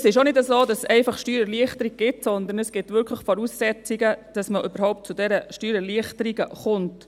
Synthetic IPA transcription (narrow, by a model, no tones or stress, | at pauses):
sɪʃonɪdəsoːd̥ɑsɛɪfɑχʃtyːɾəɾliəχtəɾiɡ̚ɡ̥ɪtsɔnd̪ən̩əsɡ̥ɪtʋʏɾkʰləχfɔɾuːsːɛt͡siɡəd̥ɑsməʔøbəɾhɔʊp̚t̚t͡sudɛɾəʃtyːɾəliəχtəɾiɡəχʊnt